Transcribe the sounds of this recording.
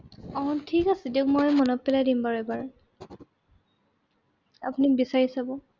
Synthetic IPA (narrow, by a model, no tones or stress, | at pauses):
ɔɔntʰikasidikmɔjmɔnɔpːɛladimbaɹɔjbaɹ | a̰punikbisaɹisabɔ